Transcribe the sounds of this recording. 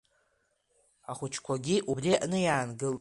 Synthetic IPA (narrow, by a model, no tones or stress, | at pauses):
aχʷʊt͡ʃʰkʷʰaɡʲiʔubriaʔnɨjaːnɡɨl